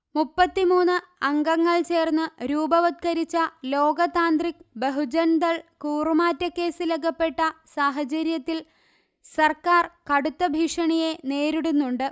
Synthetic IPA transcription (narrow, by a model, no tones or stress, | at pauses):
mupːɐt̪ːimuːnːɨ | ɐŋɡɐŋːɐɭt͡ɕe̞ːrnːɨɾuːbɐʋɐd̪̚kɐɾit͡ɕːɐlo̞ːɡɐt̪aːnd̪rikbeɦud͡ʑɐnd̪ɐɭkuːrɨmaːtːɐkːe̞ːsileɡɐpːe̞ʈːɐsaːɦɐt͡ɕɐɾjɐt̪ːil | sɐrkaːrkɐɽut̪ːɐbʱiʂɐɳijene̞ːɾiɽunːuɳɖɨ